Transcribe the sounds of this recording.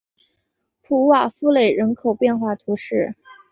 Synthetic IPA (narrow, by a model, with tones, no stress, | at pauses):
pʰu˧˥wa˨˩fu˥˧le˨˩ɪɻə˧˥nkʰo˨˩ʊpjɛ˥˧nxwa˥˩t̪ʰu˧˥ʂɻ̩˥˩